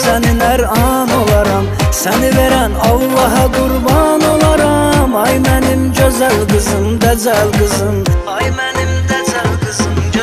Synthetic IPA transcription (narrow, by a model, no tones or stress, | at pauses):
sæninæɾɑ | nolˠɑɾɑmsæniveɾænɑwlˠːɑɦɑɡuɾbɑnolˠɑɾɑmɑjmænimd͡ʒøzælɡɯzɯmd̪æzælɡɯzɯm | jmænimd̪zlɡzm